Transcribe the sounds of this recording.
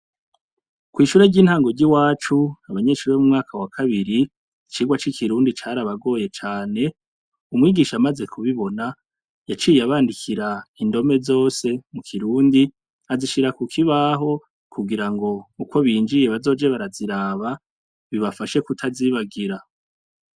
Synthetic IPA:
kwiːʃuɾe̞ɟiːn̥haːŋɡoɾɟiwaːt͡ʃuaβaɲe̞ʃuːɾemumŋaːkʰawakʰaβiɾi | t͡ʃiːɡwat͡ʃikʰiɾuːndit͡ʃaɾaβaɡo̞ːje̞t͡ʃaːne̞ | umŋiːɡiːʃamaze̞kʰuβiβo̞na | jat͡ʃiːjaβaːndikʰiɾaindo̞me̞zo̞ːse̞mukʰiɾuːndi | aziʃiɾakukʰiβaɦo̞ | kʰuɡiɾaŋɡo̞uko̞βiːnd͡ʒije̞βazo̞ːd͡ʒe̞βaɾaziɾaːβa | βiβafaʃe̞kutʰaziβaɡiɾa

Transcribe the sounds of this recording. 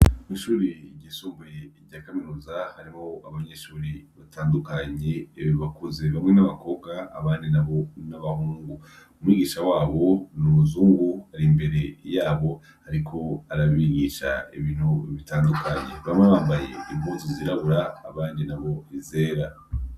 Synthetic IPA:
mwiːʃuːɾiɟisuːmbeɾɟaːkaminuːzahaɾimo̞aβaɲe̞ʃuːɾiβataːndukaɲe̞βiβakuzeβamŋe̞naβako̞bɡa̰ːβaːndinaβonaβahuːŋɡu | umwiːɡiːʃawaːβo̞numuzuːŋɡuhaɾimbe̞ɾe̞jaːβo̞ | haɾikʰo̞aɾaβiɡiʃa̰iβiːn̥huβitaːndukʰaɲe̞̰βamŋeβaːmbaje̞̰imbutiziɾaβuɾa̰ːβaːndinaβo̞ize̞ːɾa

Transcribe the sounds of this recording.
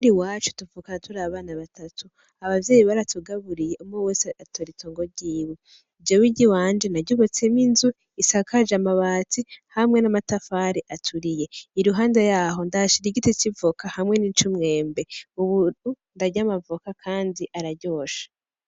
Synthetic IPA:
uɾiwaːt͡ʃu̥tuvukanatuɾaβaːnaβatʰatu | aβavjeːjiβaɾatʰuɡaβuɾijeʔumoweːseatoɾitoːŋɡoɟiːβu | vɟowiɟiwaːnd͡ʒenaɟoβot͡se̞minzu | isakad͡ʒamaβaːtihamŋe̞namatafaːɾeʔatʰuɾije̞iɾuɦaːndajaːɦo̞ndaʃiɾiɡitecivokahamŋe̞niːt͡ʃumŋe̞ːmbe̞uβuu | ndaɟamavokakʰaːndiʔaɾaɟo̞ːʃḁ

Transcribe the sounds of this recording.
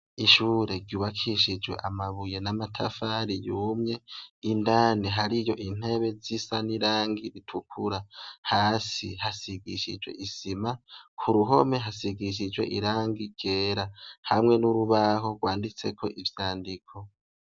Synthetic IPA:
iʃuɾe̞ɾɟuːβakʰiʃid͡ʒwe̞̰ʔamaβuje̞namatʰafaɾijuːmɲe̞indaːniɦaɾijo̞ʔin̥he̞βe̞zisaniɾaːŋɡiɾitʰukʰuɾahaːsihasiɡḭʃḭd͡ʒwe̞̰ʔisimakʰuɾuɦo̞me̞ɦasiɡiʃ̬id͡ʒwe̞̰ʔiɾaːŋɡiɾɟ̥e̞ːɾahamŋe̞nuɾuβaɦo̞ɡwaːndit͡se̞kʰo̞ʔivjaːndikʰo̞

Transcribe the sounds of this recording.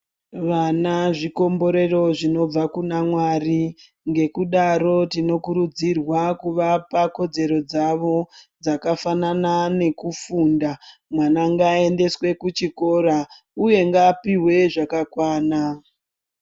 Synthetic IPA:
ʋanaʐiko̞mbo̞ɾe̞ro̞ʐino̞b͡vakunamwari | ŋɡe̞kuɗaɾo̞tino̞kuɾud͡zirwakuʋapako̞d͡ze̞ɾo̞d͡zaʋo̞d͡zakafananane̞kufundamwanaŋɡae̞nde̞swe̞kut͡ʃiko̞ɾa | uje̞ŋɡaːpiwe̞ʐakakwaːna

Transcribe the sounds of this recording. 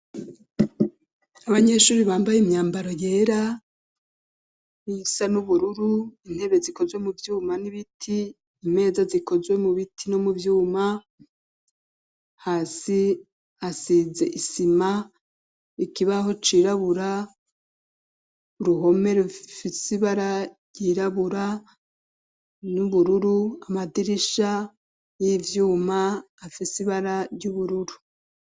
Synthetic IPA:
aβaɲe̞ʃuːɾiβaːmbajemɲaːmbaɾo̞je̞ːɾa | isanuβuɾuɾuin̥he̞βe̞ziko̞zwe̞muvjuːmaniβitʰiː | me̞ːzaziko̞zwe̞muβitʰino̞muvjuːma | haːsi | asize̞̰ʔisima | ikiβaho̞t͡ʃiːɾaβuɾa | uɾuɦo̞me̞ɾufisiβaɾaɾjiːɾaβuɾa | nuβuɾuɾuamadiɾiʃa | jivjuːmaː | fisiβaɾaɾjuβuɾuɾu

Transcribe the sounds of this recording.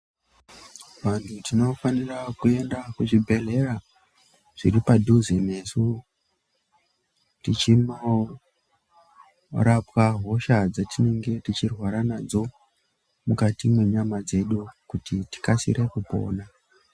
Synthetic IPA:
ʋantʰutino̞fanirakue̞ndakuʐibʱe̞ɮe̞ra | ʐ̥ḭripadʱuzene̞su | tit͡ʃino | ɾapwaɦo̞ʃad͡zatine̞ŋɡe̞tit͡ʃirwaɾanad͡zo̞ | mukatimwe̞ɲamad͡ze̞ɗukutiti̥kasḭɾʔe̞kupo̞̰ːna

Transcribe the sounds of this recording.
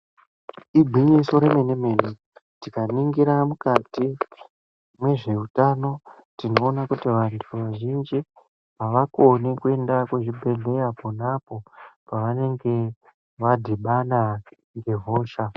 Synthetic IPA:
ibʱwiɲiso̞ɾe̞me̞ne̞me̞ri | tikaniŋɡiɾamukati | mwe̞ʐe̞utano̞ | tino̞ːnakutiʋantʰuʋaʒind͡ʒi | ɦaʋakonikue̞ndakuʐibʱe̞ɮe̞japonapo̞paʋane̞ŋɡe̞ | ʋadʱiɓana | ŋɡe̞vʱoːʃa

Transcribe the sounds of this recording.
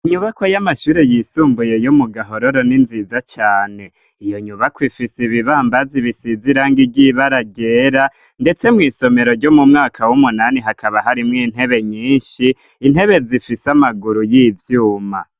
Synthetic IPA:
iɲuβakwajamaʃuːɾe̞jiːsuːmbuje̞jumuɡaɦo̞ɾoɾo̞ninzizat͡ʃaːne̞ | ijo̞ɲuβakwifisiβiβaːmbaziβisiziɾaːŋɡiɟiβaɾaɟeːɾa | nde̞t͡se̞mŋiːso̞me̞ɾo̞ɾɟomumŋaːkʰawumunaniɦakʰaβaɦaɾimŋiːn̥he̞βe̞ɲiːɲʃiːn̥he̞βe̞zifisamaɡuɾujivjuːma̰

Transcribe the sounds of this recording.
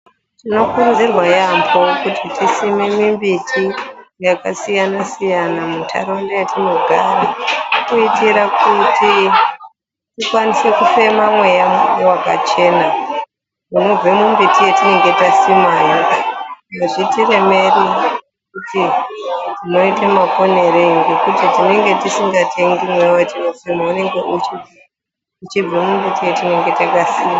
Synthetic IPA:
tino̞kurunzirwajambo̞kutitisimemimbitʰijakasijanasijanamutʰa̰ɾondajatino̞ɡʱaɾakuitiɾakuti | tikwanisekufe̞mamwe̞jaewaka̰t͡ʃe̞ːna | muno̞b͡vemumbitijetine̞ŋɡe̞tasimajo | aʐitire̞me̞ri | kutitino̞itamako̞neɾeŋɡekutitine̞ŋɡe̞tisiŋɡatʰe̞ŋɡimwejawatinofemaune̞ŋɡe̞ʔut͡ʃi | ut͡ʃib͡vemumbitijetine̞ŋɡe̞takasiːma

